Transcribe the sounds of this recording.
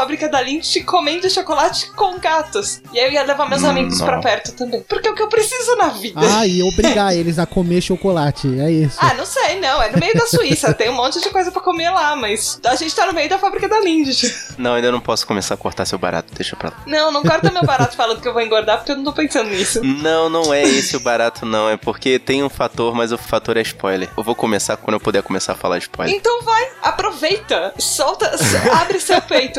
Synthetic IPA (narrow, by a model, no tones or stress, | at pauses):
fabɾikɐd̪alĩd͡ʒɪt͡ʃɪkʰomẽd͡ʒɪʃokolat͡ʃɪ̥kõɡat̪ʊsɪaiewiɐlevaɾmewzamiɡʊsspɾɐpɛɾt̪ʊt̪ɐ̃mbẽj̃poɾkɛʊkɪewpɾesizʊnɐvidaɐɪobɾiɡaelɪzɐkomeɾʃokolat͡ʃɪɛisaʊnɐ̃w̃sejnɐ̃w̃ɛnʊmejʊd̪ɐsuisɐt̪ẽj̃ũmõnt͡ʃɪd͡ʒɪkojzɐpɾɐkomeɾlamɐsaʒẽnt͡ʃɪ̥t̪anʊmejʊd̪ɐfabɾikɐd̪alĩd͡ʒɪt͡ʃɪnɐ̃w̃ɐĩd̪ewnɐ̃w̃pɔsʊ̥komesaɾɐkoɾt̪aɾsewba̰ɾa̰t̪ʊ̥d̪ejʃɐpɾa̰lanɐ̃w̃nɐ̃w̃kɛɾʊt̪eɾmebaɾat̪ʊfalɐ̃nd̪ʊkɪewvowĩŋɡoɾd̪aɾpoɾkewnɐ̃t̪opẽsɐ̃nd̪ʊnisʊnɐ̃w̃nɐ̃w̃ɛesɪʊbaɾat̪ʰʊnɐ̃w̃ɛpoɾket̪ẽj̃ũfat̪oɾmɐzʊfat̪oɾɛispɔjleɾewvowkomesakwɐ̃nd̪ewpod̪eɐkomesa̰ɾfa̰la̰ɾɪspɔ̰jl̰ẽnt̪ɐ̃w̃vajapɾovejt̪ɐsɔwt̪ɐabɾɪsewpejt̪ʊ